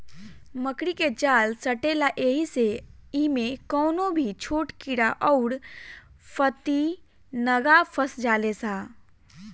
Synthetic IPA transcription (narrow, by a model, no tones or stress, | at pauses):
məkɽiked͡ʒaːlsəʈeːlaʔeːɦiseimẽkɔːnobʱit͡ʃʰoːʈkiɽaʔɔːɾ | pʰət̪i | nəɡapʰəsd͡ʒaːlesaː